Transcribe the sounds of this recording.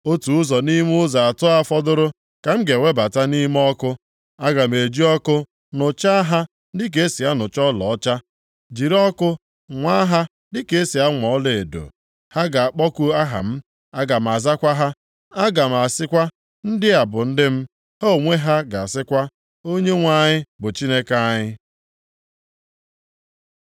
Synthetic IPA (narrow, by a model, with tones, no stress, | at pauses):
o˦tu˨ʊ˦zɔ˨ni˦m˦ʊ˦za˨a˨tʊ˦a˦fɔ˦dʊ˦ɾʊ˦ | ka˨m̩˦ɡe˨wʷe˦ba˨ta˦ni˦m˦ɔ˦kʊ˦ | a˦ɡa˨m̩˨e˨d͡ʒi˦ɔ˦kʊ˦ | nʊ˨t͡ʃa˦a˦ɦa˦ | dɪ˦k̬e˦e˦si˨a˦nʊ˨t͡ʃɔ˦lɔ̰˨ɔ˦t͡ʃa˦ | d͡ʒi˨ɾɔ˦kʊ˦ | ŋʷa˦a˦ɦa˦ | dɪ˦ke˨e˦si˨a˦ŋʷɔ˨ɔ˦le˨e˨do̰˨ | ha˦ɡa˨a˨k͡pɔ˦ku˦a˦ɦa̰˨m̩˦ | a˦ɡa˨m̩˨a˨za˦kʷa˦ɦa˦ | a˦ɡa˨m̩˨a˨sɪ˦kʷa˦ | n̩˦dɪ˦a˨bʊ˨n̩˦dɪ˦m̩˦ | ho˦˨ŋʷe˦ɦa˦ɡa˨a˨sɪ˦kʷa˦ | o˦ɲe˦ŋʷa˨ɲɪ˦bʊ˨t͡ʃi˦ne˦ka˦ɲɪ˦